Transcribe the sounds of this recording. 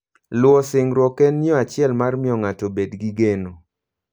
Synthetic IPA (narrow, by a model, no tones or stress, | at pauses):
lwɔsɪŋɾwɔkɛnːjɔat͡ʃɪɛlmarmɪɔŋatobedɡiɡeno